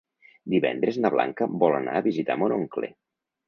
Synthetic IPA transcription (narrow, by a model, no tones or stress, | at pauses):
d̪iβɛ̰nd̪ɾeznaβlʔa̰ŋkəbɔlana̰əβizit̪amonoŋklḛ